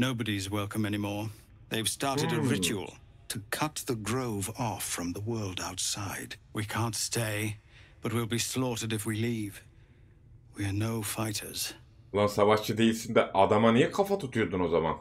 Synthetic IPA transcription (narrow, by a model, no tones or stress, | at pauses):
noʊbɨɾiɨzwɛlˠkʰə̃mɛnimɔɹ | ðeɪv̥stɑɹɾɨɾɨɹɪt͡ʃuə̰l̩ˠ | tʰɨkʰʌt̪̚ðɨɡɹoʊvɔfɹʌ̃mðəwɜ˞lˠdaʊtsaɪd̥wikʰæ̃ntstʰeɪb̥ʌt̚wilˠbislɔɾɨdɨfwiliv̥ | wiə˞noʊfaɪɾə̰˞z̥ | olˠansavaʃt͡ʃʰɯd̪ejilʲsind̪ɛʔad̪amanijɛkʰafat̪ʰut̪ʰujoɾd̪uno̞zama̰n